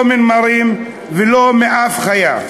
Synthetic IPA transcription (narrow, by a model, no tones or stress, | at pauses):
minmaɾim | velomeʔafχaja̰v